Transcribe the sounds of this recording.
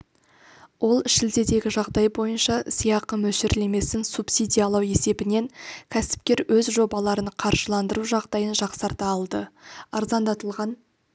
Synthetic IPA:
wo̞lˠɪʃɪld̪e̞d̪e̞ɡʲɪʒɑʁd̪ɑjbo̞jənʃɑsijɑqːəmɵʃɪɾle̞me̞sɪnsupsid̪ijɑlˠɑwe̞se̞bɪne̞ŋkʲʰæsɪ̥p̚kʲe̞ɾwɵzʒo̞bɑlˠɑɾənqʰɑɾʒəlˠɑnd̪əɾuʒɑʁd̪ɑjənʒɑqsɑɾt̪ɑːlˠd̪əɑɾzɑnd̪ɑt̪əlˠʁɑn

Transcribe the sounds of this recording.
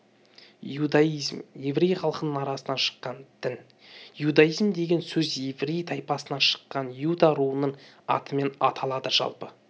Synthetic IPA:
ud̪aizmje̞vɾejχɑlˠəqənənɑɾɑsənɑnʃə̥qːɑnt̪ʰɪn | jud̪ɑjizmd̪e̞ɡʲe̞nsɵzjevrejt̪ʰɑjpɑsənɑʃə̥qːɑnjud̪aɾuənəɴ | ɑ̰t̪ʰəme̞nɑ̰t̪ʰɑlˠɑd̪əʒɑ̰lˠpə

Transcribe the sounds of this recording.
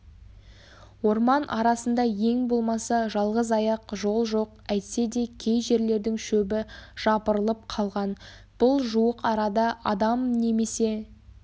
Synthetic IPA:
wo̞ɾmɑnʔɑɾɑsənd̪ɑje̞ŋbo̞lˠmɑsɑʒɑlˠʁəzɑjɑqʒo̞lˠʒo̞q̚æjt̪se̞d̪e̞kʲʰe̞jʒe̞ɾle̞ɾd̪ɪŋʃɵbɪʒ̥ɑpəɾəlˠəp̚qʰɑlˠʁɑn | b̥ʊlˠʒuwəqɑɾɑd̪ɑʔɑd̪ɑmne̞me̞se̞

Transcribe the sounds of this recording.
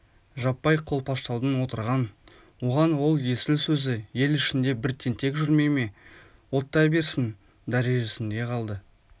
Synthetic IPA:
ʒɑpːɑjqʰo̞lˠpʰɑʃt̪ɑwˠd̪ənwo̞t̪əɾʁɑn | woʁɑnwo̞lˠje̞sɪlsɵzɪje̞lɪʃɪnd̪e̞bɪɾt̪ʰːe̞nt̪ʰe̞kʒʏɾme̞jme̞ | wo̞t̪ːɑbe̞ɾsɪn | d̪æɾe̞ʒesɪnd̪e̞qʰɑlˠd̪ə

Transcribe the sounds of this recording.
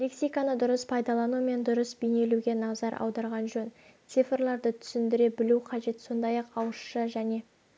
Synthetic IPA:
leksʲijkanəd̪ʊɾəspʰɑjd̪ɑlˠɑnume̞nd̪ʊɾəsbijne̞luɡʲe̞nɑʁzɑɾʔɑ̰wd̪ɑɾʁɑnʒɵn | t̪sɨfrlˠɑɾd̪ət̪ʰʏ̥sɪnd̪ɪɾe̞bɪluqʰɑʒe̞t̪so̞nd̪ɑjɑqɑwəʃʃəʒæne̞

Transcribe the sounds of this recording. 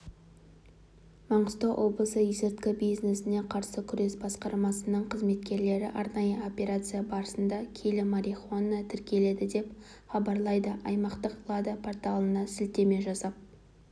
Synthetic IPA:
mɑɴəst̪oʔo̞blˠəsəizet̪kɪbijzne̞sɪne̞qʰɑɾsəkʲʰʏɾe̞sbɑsqɑɾmɑsənəɴqʰəzme̞t̪kʲe̞ɾle̞ɾɪ̰ʔɑɾnɑjəo̞pʲe̞ɾat̪sɨjabɑɾəsənd̪ɑkʲʰe̞lɪmaɾiχonːət̪ʰɪɾkʲe̞le̞d̪ɪd̪e̞p | χɑbɑɾlˠɑjd̪əʔɑjmɑqt̪əqlˠad̪apʰo̞rt̪alˠənɑsɪlt̪e̞me̞ʒɑsɑp̚

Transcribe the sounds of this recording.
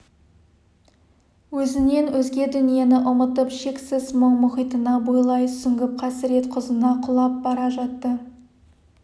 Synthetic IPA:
wɵzɪne̞nwɵzɡʲe̞d̪ʏnije̞nɪʔʊmət̪əpʃe̞ksɪzməɴmʊχijt̪ənɑbojlˠɑjt̪sʏŋɡʲɪp̚qʰɑsɪɾe̞t̪qʰʊzənɑqʰʊlˠɑp̚bɑɾɑʒɑt̪ːə

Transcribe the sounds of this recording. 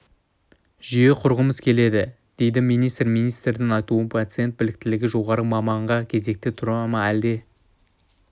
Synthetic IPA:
ʒije̞qʰʊɾʁəməzkʲʰe̞le̞d̪ɪ | d̪̥e̞jd̪ɪmijnijst̪rmijnijst̪ɾɪnɪnɑjt̪uənpʰat̪sɨje̞nt̪̚bɪlɪk̚t̪ɪlɪɡʲɪʒo̞ʁɑɾəmɑmɑɴʁɑkʲʰe̞ze̞k̚t̪ɪt̪ʰʊɾɑmɑæld̪e̞

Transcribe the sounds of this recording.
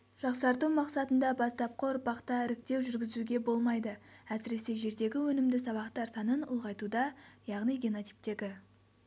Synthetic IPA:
ʒ̥ɑqsɑɾt̪umɑqsɑt̪ənd̪ɑbɑst̪ɑp̚qʰoɾbɑqt̪ɑɪɾɪk̚t̪e̞wʒʏɾɡʲɪzuɡʲe̞bo̞lˠmɑjd̪əæsɪɾe̞se̞ʒe̞ɾd̪e̞ɡʲɪwɵnɪmd̪ɪsɑβɑqt̪ɑɾsɑnənʊ̰lˠʁɑjt̪ud̪ɑjɑʁnijɡʲeno̞t̪ʲi̥jp̚t̪e̞ɡʲɪ

